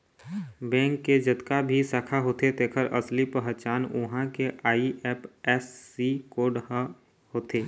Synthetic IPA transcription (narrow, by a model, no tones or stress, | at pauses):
bɛ̃ːŋkːed͡ʒət̪kabʱisaːkʰaɦoːt̪et̪eːkʰəɾʔə̰slipəɦət͡ʃaːnʊ̰ɦãkeʔaːiʔɛːpɛːsːikoːɖɦ | hoːt̪eː